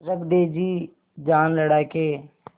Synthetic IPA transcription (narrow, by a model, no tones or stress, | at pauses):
ɾəbd̪eːd͡ʒiː | d͡ʒaːnləɽaːkeː